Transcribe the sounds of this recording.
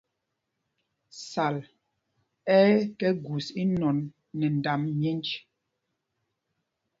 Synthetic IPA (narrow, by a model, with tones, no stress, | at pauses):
sa˨l | ɛ˦kɛ˦ɡu˨si˦nɔ˨nː | ɛ˨n˨da˨mmje˦nd͡ʒ